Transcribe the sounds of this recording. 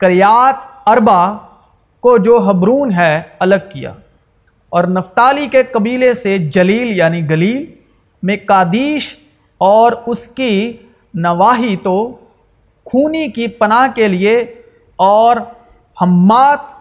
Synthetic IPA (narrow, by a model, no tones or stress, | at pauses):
kɐɾɪjaːt̪ɐɾba | kod͡ʒoːɦɐbɾuːnɦɛɐləɡ̚kija̰ː | ɔːɾnɐft̪aːlikekɐbiːlesed͡ʒɐliːljaːniɡɐliːl | mẽkaːd̪iːʃ | ɔːɾʊski | nɐʋaːɦit̪o | kʰuːnikipɐnaːɦkelie | ɔːɾ | hɐmːaːt̪̚